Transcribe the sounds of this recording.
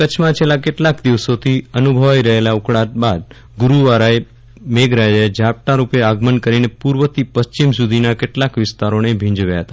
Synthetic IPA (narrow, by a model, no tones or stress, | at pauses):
kət͡ʃʰmãt͡ʃʰelakeʈlakd̪iʋsot̪ʰiənubʱəʋaiɾəɦelaukɽat̪̚bad̪̚ | ɡuɾuʋaɾae | meɡɾad͡ʒaed͡ʒap̚ʈaɾupeaɡmənkəɾinepuɾʋət̪ipəst͡ʃimsud̪ʱinakeʈlakʋɪst̪aɾonebʱĩɲd͡ʒʋjaɦət̪a